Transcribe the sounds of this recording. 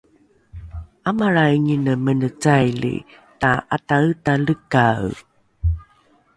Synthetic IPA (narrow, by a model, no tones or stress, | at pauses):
amaɾaɲinəmənət͡sajlḭ | taʔataɯtaləkaw